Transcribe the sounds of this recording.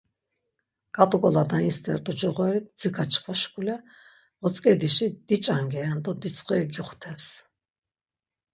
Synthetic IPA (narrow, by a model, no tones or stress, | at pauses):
kʼat̪ʼukʼɔlad̪ainst̪ʼɛ̰ɾt̪ʼɔd͡ʒɔʁwɛɾit̪̚d͡zikʰat͡ʃʰkʰvaʃkʰʼulɛ | ɔt͡sʼkʼɛd̪iʃid̪it͡ʃʼaŋɡɛand̪ɔd̪it͡sʼχʼiɡuχt̪ʰɛps